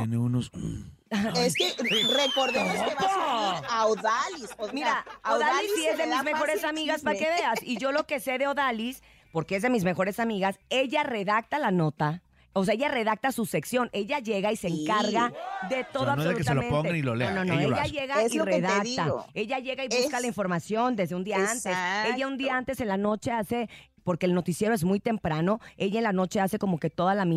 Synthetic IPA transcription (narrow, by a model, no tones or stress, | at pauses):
jeneunos | aeskerekoɾðo | aoðalismiɾaoðalissiezðemizmexo̞ɾesamiɣaspaɾkeβe̞asiʝo̞lo̞ke̞se̞ðeo̞ðalis | po̞ɾkee̞zðe̞mizme̞xo̞ɾe̞samiɣase̞ʝare̞ðak̚t̪alano̞t̪a | oseaeʝare̞ðak̚t̪asuse̞ksjo̞ne̞ʝaʝe̞ɣaiseeŋkaɾɣaðe̞t̪o̞ðoaβnsolukest̪lonpoŋanilo̰lenonoejaʝe̞ɣaireðakt̪ae̞ʝaʝe̞ɣaiβuskalaiɱfo̞ɾmasjo̞nd̪ezðeund̪iaant̪ese̞ʝaũnd̪iaant̪e̞se̞nlano̞t͡ʃe̞ase̞ | po̞ɾke̞ːlno̞t̪isje̞ɾoezmujt̪e̞mpɾano̞e̞ʝaenlano̞t͡ʃe̞ase̞ko̞mo̞ke̞t̪o̞ðalamĩ